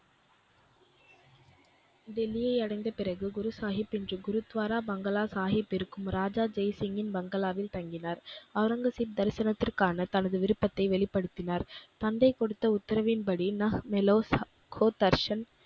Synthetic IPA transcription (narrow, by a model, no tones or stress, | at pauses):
d̪ɛlɪjɐɪɐɽɐɪnd̪ɐpɪrɐɣɯɡʊɾɯsaːɦɪpːɪndrɯɡʊɾɯt̪ːʋaːɾaːbɐŋɡɐlaːsaːɣɪpːɪɾɯkːɯmɾaːd͡ʒaːd͡ʒɐɪsɪŋɪnbɐŋɡɐlaːʋɪlt̪ɐŋɡɪnaːɾɐʋɾɐŋɡɐsip̚d̪ɐɾɪsɐnɐt̪ːɪrkaːnɐt̪ɐnɐðɯʋɪɾɯpːɐt̪ːɐɪʋɛɭɪpːɐɽɯt̪ːɪnaːɾt̪ɐnd̪ɐɪkɔɽɯt̪ːɐʊt̪ːɐɾɐʋɪnpɐɽinɐhmɛloːs | koːt̪ɐɾʂɐn